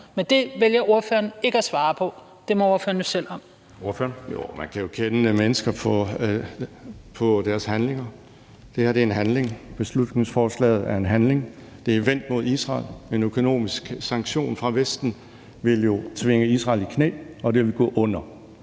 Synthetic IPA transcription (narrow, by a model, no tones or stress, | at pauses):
mend̥e̝ʋeljɐo̝ɐføːɐne̝ɡ̥əæsʋɑ̈ːpʰɒ̽ | d̥e̝meo̝ɐføːɐnjosel̰ɒ̽m | fnjo̰mænkʰæjo̝kʰenəəmenəsɡ̥ɐpʰɒ̽ | pʰɒ̽d̥æɐshænle̝ŋɐ | d̥e̝hæɐd̥e̝enɦænle̝ŋb̥e̝slud̥ne̝ŋsfɒːslɛ̰ːð̩ˠæɐe̝nɦænle̝ŋ | d̥e̝ʋen̰d̥̚mo̝ð̞ˠisʁɑ̰̈ːlmenøkʰo̝no̝̰ːmisɡ̥sɑ̈ŋɡ̥ɕo̝̰ːnfʁɑ̈ʋesd̥n̩ | ʋe̝ljo̝t͡sʰʋe̝ŋəisʁɑ̈ːlikʰnḛːɒ̽d̥e̝ʋeɡ̥ɔ̰ːʔɔ̽n̰ɐ